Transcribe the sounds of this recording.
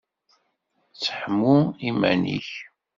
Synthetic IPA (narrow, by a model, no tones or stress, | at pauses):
t͡sːə̥ħəmːuimæ̰nḭç